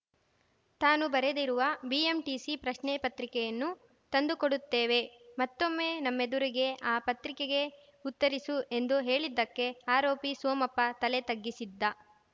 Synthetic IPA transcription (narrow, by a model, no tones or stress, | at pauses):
t̪aːnubɐɾed̪iɾuʋɐbiemʈiːsipɾɐʃnɛpɐt̪ɾikɛjɐnːu | t̪ɐnd̪ukoɽut̪ːeːʋe̞mɐt̪ːo̞mːe̞ːnɐmːe̞d̪uɾiɡe̞aːpɐt̪ɾikeɡe̞ | ut̪ːɐɾisue̞nd̪uɦe̞ːɭid̪ːɐkːe̞aːɾoːpisoːmɐpːɐt̪ɐlet̪ɐɡːisid̪ːa